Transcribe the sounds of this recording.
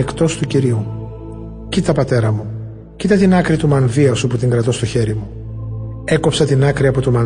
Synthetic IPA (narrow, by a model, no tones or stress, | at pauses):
ekt̪o̞st̪uciɾiu | cit̪ɐpɐt̪e̞ɾɐmu | cit̪ɐt̪inɐkɾit̪umɐnviɐsuput̪iŋɡɾɐt̪o̞st̪o̞çe̞ɾimu | e̞ko̞psɐt̪inɐkɾiɐpo̞t̪umɐn